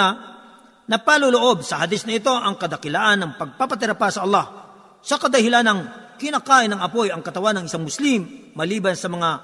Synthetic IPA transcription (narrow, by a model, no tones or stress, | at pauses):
ɐ | nɐpalouloʔo̞b̚sɐhɐd̪ɪsnɐɪt̪o̞ʔɐŋkɐd̪ɐkɪlaʔɐnːɐŋpɐɡ̚papɐt̪ɪɾɐpasɐɐlːɑh | sɐkɐd̪ɐhɪlanɐŋkɪnaːkaːʔɪnɐŋɐpo̞jɐŋkɐt̪ɐwanːɐŋɪsaŋmʊslimːɐliːbɐnsɐmɐŋa